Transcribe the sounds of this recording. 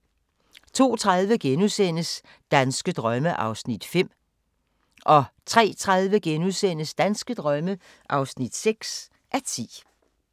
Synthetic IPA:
t͡sʰo̝̰ːt͡sʰʁaðˠʋəɡ̥enusen̰əs | d̥ænsɡ̥əd̥ʁɶməʔɑ̈ʊsnid̥fem̰ | ʔɒ̽t͡sʰʁɛ̰ːt͡sʰʁað̞ˠʋəɡ̥enusen̰əsd̥ænsɡ̥əd̥ʁɶmə | ʔɑ̈ʊsnid̥seɡ̥s | ʔæɐt͡sʰḭː

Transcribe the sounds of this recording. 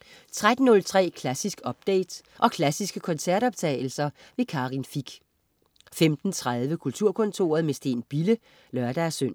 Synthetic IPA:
t͡sʰʁad̥n̩nɔ̽lt͡sʰʁɛ̰ːkʰlæsisɡ̥ɒ̽b̥̚d̥ḛːd̥ | ʔɒ̽kʰlæsisɡ̥əkʰɒ̽nsæɐɾ̥ɒ̽b̥̚t͡sʰɛ̰ːɪl̩sɐ | ʋe̝kʰɑ̈ːʁinfiɡ̥ | femd̥n̩t͡sʰʁað̞ˠʋəkʰult͡sʰuɐ̰kʰɔ̽nt͡sʰo̝̰ːɐð̞̩ˠmesd̥e̝̰ːnb̥ilə | lɶɐd̥ææsøn̰

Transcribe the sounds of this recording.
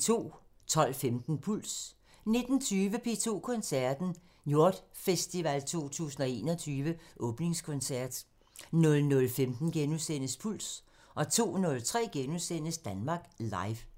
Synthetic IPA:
t͡sʰo̝̰ː | t͡sʰɒ̽l̰femd̥n̩pʰul̰s | ne̝d̥n̩t͡sʰyːʋəpʰe̝t͡sʰo̝̰ːkʰɔ̽nsæɐd̥n̩ | jo̝ɐ̰d̥fesd̥iʋælt͡sʰo̝̰ːt͡sʰṵːsn̩ɒ̽e̝̰ːnɒt͡sʰyːʋəʔɔ̽ːb̥ne̝ŋskʰɔ̽nsæɐ̰d̥ | nɔ̽lnɔ̽lfemd̥n̩ɡ̥enusen̰əspʰul̰s | ʔɒ̽t͡sʰo̝̰ːnɔ̽lt͡sʰʁɛ̰ːɡ̥enusen̰əsd̥ænmɑ̈ːɡ̥lɑ̈ɪʋ

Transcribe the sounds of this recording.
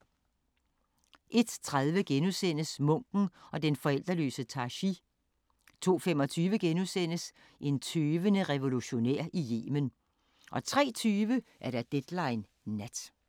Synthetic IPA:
ʔe̝d̥t͡sʰʁaðˠʋəɡ̥enusen̰əsmɔ̽ŋ̰ɡ̥n̩ɒ̽d̥enfɒ̽el̰d̥ʁɐlø̰ːsət͡sʰɑ̈ɕi | t͡sʰo̝̰ːfemɒ̽t͡sʰyːʋəɡ̥enusen̰əs | ʔe̝nt͡sʰøːʋənəʁɛʋo̝luɕo̝neɐ̰ʔije̝̰ːmən | ʔɒ̽t͡sʰʁɛ̰ːt͡sʰyːʋəʔæɐɾ̥æd̥ed̥lɑ̈ɪnː | æd̥

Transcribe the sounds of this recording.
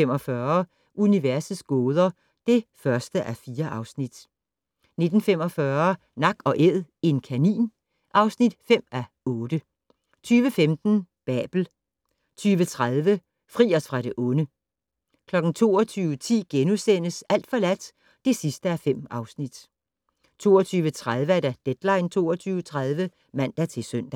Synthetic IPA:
emɒ̽fɶːɐ | ʔuniʋæɐsð̩ˠsɡ̥ɔːð̞ˠɐ | d̥e̝fɶɐsd̥əʔæɐfiːɐʔɑ̈ʊsnid̥ | ne̝d̥n̩fem̰ɒ̽fɶɐ | nɑ̈ɡ̥ɒ̽ʔeð̰ˠe̝nkʰænḭːn | ʔɑ̈ʊsnid̥fem̰æ | ɔ̽ːd̥ə | t͡sʰyːʋəfemd̥n̩b̥ɛ̰ːb̥l̩ | t͡sʰyːʋət͡sʰʁaðˠʋə | fʁḭːɐsfʁɑ̈ɾ̥e̝ʔɔ̽nə | kʰlɒ̽ɡ̥n̩t͡sʰo̝̰ːɒt͡sʰyːʊət͡sʰḭːɡ̥enusen̰əsæl̰d̥fɒ̽læd̥ | d̥e̝sisd̥əæfem̰ɑ̈ʊsnid̥ | t͡sʰo̝ːɒt͡sʰyːʋət͡sʰʁaðˠʋəæɐd̥æd̥ed̥lɑ̈ɪnt͡sʰo̝̰ːɒt͡sʰyːʊət͡sʰʁaðˠʋə | mæn̰d̥æt͡sʰe̝sœn̰d̥æ

